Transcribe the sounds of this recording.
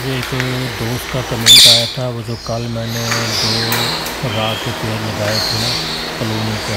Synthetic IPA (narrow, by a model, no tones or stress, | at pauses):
d͡ʒeeːkd̪oːst̪kakɐmẽɳʈaːjat̪ʰaʋod͡ʒoːkɐlmɛ̃ːned̪oː | ɾaːkepelɐɡaːet̪ʰenã | kɐloːmike